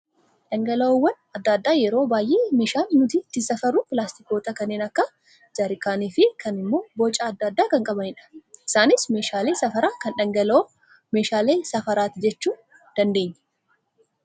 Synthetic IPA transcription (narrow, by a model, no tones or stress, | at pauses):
ᶑɐŋɡɐlɐɔwːɐn | ɐd̪ːaːd̪ːaːjɛɾo̞ːbaːjʔeːmeːʃaːlːʊt̪it̪ːɪsɐfɐɾʊpɪlaːst̪ɪko̞ːt̪ɐkɐnːeːnɐkːɐ | d͡ʒɐɾɪkaːniːfɪkʰɐnɪmːo̞ːbot͡ʃʼaːd̪ːad̪ːaːkɐŋkʼɐbɐnɪᶑɐ̥ʔɪsaːnɪsme̞ːʃaːleːsɐfɐɾaːkɐnᶑɐŋɡɐlo | meːʃaːleːsɐfɐɾaːt̪ɪd͡ʒɛt͡ʃːuː | d̪̥ɐnd̪e̞ːɲːɛ̥